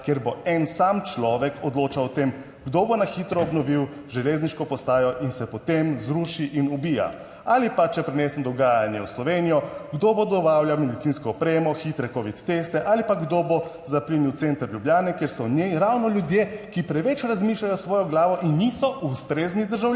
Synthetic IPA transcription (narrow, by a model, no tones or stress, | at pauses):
keɾboɛnsamt͡ʃlɔːʋɛkɔd̪loːt͡ʃawɔt̪em | ɡd̪obonaxit̪ɾɔːbnɔʋiw | ʒɛlezniʃkɔpɔst̪aːjɔʔinsɛpɔt̪emzɾuʃiʔinubiːja̰ | alipat͡ʃɛpɾɛneːsɛnd̪ɔɡaːjanjɛwslɔʋeːnijɔɡd̪obod̪ɔbaːwljamɛd̪it̪siːnskɔːpɾeːmɔxit̪ɾɛkoʋit̪ːest̪ɛʔaːlipaɡd̪obo | zapliniwt̪ent̪əɾʎjubljaːnɛkjeɾsɔneɾawnɔljud̪jekipɾɛʋɛt͡ʃɾazmiːʃlʲajɔsʋɔːjɔɡlaːʋɔʔinːisɔʔust̪ɾeːznid̪əɾʒaw